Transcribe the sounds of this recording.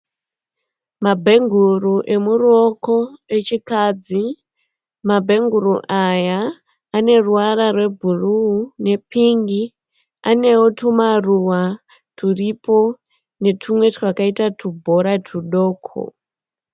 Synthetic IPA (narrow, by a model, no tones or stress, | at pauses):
mabʱe̞ŋɡʱuruʔe̞muroko̞et͡ʃikad͡zi | mabʱe̞ŋɡuɾuʔajaː | ne̞ruwaɾarwe̞bʱuruːne̞piŋɡi | ane̞wotʰumaruwa | tʰuripo̞ | ne̞tʰumwe̞trakaitatʰubʱo̞ɾatʰuɗo̞ːkʰo̰